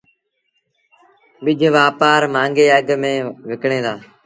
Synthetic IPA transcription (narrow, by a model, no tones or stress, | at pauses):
ɓɪd͡ʒʱʋaːpaːɾmãːŋɡeːəɡmẽːʋɪkɳẽːd̪aː